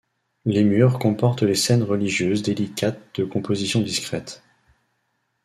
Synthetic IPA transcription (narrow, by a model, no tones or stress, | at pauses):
lemyʁkɔ̃pɔʁt̪lesɛnʁəliʒjøzd̪elikʲʰat̪̚d̪̥əkɔ̃pozisjɔ̃d̪iskχɛt̪